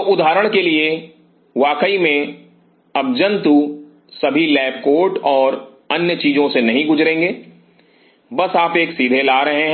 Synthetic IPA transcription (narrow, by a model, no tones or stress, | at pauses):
ʔʊd̪ʱaːɾəɽ̃kelie | ʋaːkəimẽ | ɐbd͡ʒə̃nt̪u | sɐbʱilɛːp̚koːʈɔːɾ | ɐnjət͡ʃiːd͡ʒõsenɐɦĩɡʊd͡ʒɾẽːŋɡeː | bɐsaːpeːksiːd̪ʱelaːɾɐɦeɦ